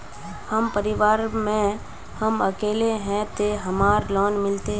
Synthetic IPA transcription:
həmpəɾɪʋaːɾmẽ | həməkeːleɦɛ̃t̪eɦəmaːɾlɔːnmɪlt̪eɦ

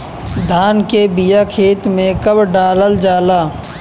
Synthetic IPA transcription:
d̪ʱaːnkebɪjakʰeːt̪mẽkəbɖaːləld͡ʒaːlaː

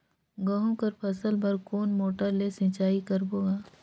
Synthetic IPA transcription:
ɡɐɦõkɐɾpʰɐsəlbɐɾkoːnmoːʈəɾlesɪ̃t͡ʃaːikɐɾboːɡaː

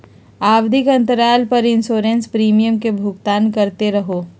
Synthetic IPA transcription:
aːwd̪ʱɪkɐ̃nt̪əɾaːlpɐɾɪ̃nsoːɾẽnspɾiːmijəmkebʱʊɡt̪aːnkɐɾt̪eɾɐɦoː

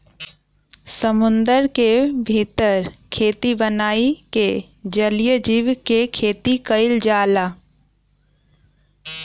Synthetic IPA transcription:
səmʊ̃nd̪əɾkebʱiːt̪əɾkʰeːt̪ibənaːike | d͡ʒəlijəd͡ʒiːʋkekʰeːt̪ikəɪld͡ʒaːlaː

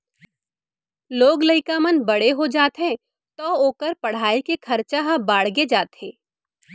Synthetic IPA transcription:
loːɡləɪkamənbɐɽeɦod͡ʒaːt̪ɦɛ̃ | t̪oːoːkəɾpɐɽ̤aːikekʰɐɾt͡ʃaɦabaːɽ̤ɡed͡ʒaːt̪ɦẽː

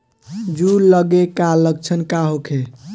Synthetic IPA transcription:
d͡ʒuləɡekaləɡ̚t͡ʃʰənkaɦokʰe

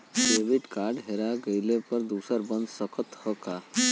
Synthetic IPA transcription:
kebiʈkaɾɖɦeɾaɡəɪlepəɾd̪usəɾbə̃nd̪səkət̪həka

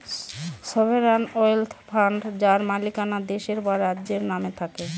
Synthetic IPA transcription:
sobʱeɾanɔjlt̪ʰpʰaɳɖd͡ʑaɾmalikanad̪eʃeɾbaɾad̪ːd͡ʑeɾnamet̪ʰake

